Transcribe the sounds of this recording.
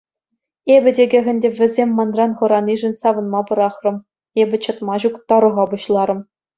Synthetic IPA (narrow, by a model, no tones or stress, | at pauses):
ebʲɘ̆dʲeɡʲɘ̆ɣʲɘ̆nʲdʲeʋʲɘ̆zʲemʲːɑnrɑnχɤ̆ɾɑnʲiʐɘ̆nʲsɑʋɤ̆nmɑpɤ̆ɾɑχrɤ̆m | ebʲɘ̆t͡ɕɤ̆t̪mɑʑukt̪ɑɾɤ̆ʁɑbuɕlˠɑɾɤ̆m